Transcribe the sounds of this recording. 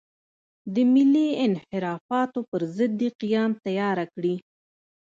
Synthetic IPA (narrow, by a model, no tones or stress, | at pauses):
d̪əmɪliɪnhɪɾɑfɑt̪opəɾzəd̪ːeqijɑmt̪ajɑɾakɽi